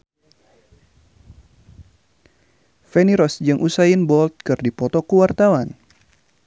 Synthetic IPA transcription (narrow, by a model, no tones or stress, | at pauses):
fɛniɾɔsd͡ʒɨŋʔusaɪnbɔlt̪̚kɨrdipɔt̪ɔkəwart̪awan